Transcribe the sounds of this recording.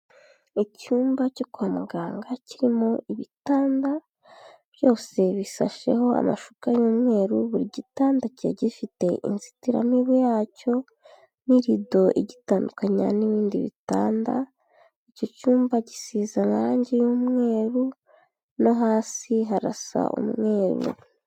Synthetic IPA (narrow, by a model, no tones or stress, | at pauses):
icuːmbacokuamuɡaːŋɡaciɾimo̞iβitaːnda | β̥jo̞ːse̞βisa̰ʃe̞̰ho̞a̰ma̰ʃukajuːmŋe̞ːɾuβuɾiɟitaːndacḛɟifite̞ʔḭnzi̥tiɾa̰miβejaːco̞ | niɾido̞ʔeɟitaːndukaɲa̰niβiːndiβḭta̰ːnda̰ | ico̞cuːmbaɟisiːzanaɾaːɲɟejuːmŋe̞ːɾu | noɦaːsiɦaɾa̰sa̰ʔṵmŋe̞ːɾṵ